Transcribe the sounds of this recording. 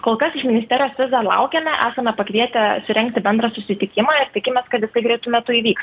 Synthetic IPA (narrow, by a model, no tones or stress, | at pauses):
koːlˠkɐsɪʃmʲɪnʲɪstʲɛːɾʲɪjoːsʋʲɪzɑlˠɐ̰ʊkʲɛmʲɛʔæːsɐmʲɛpɐkʋʲiɛt̪ʲɛsʊɾʲɛŋk̚t̪ʲɪbʲɛnd̪ɾɐsʊsʲɪt̪ʲɪkʲɪmɑɪɾt̪ʲɪkʲɪmʲeːskɐt̪jɪsɐɪɡɾʲɛɪt̪umʲɛt̪ʊiːʋʲiːkst